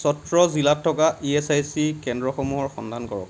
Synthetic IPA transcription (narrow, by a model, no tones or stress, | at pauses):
sɔtɹɔzilatʰːɔkaʔiesajsikɛndɹɔxomuɦɔɹxɔ̰ndʱankɔɹɔ̰k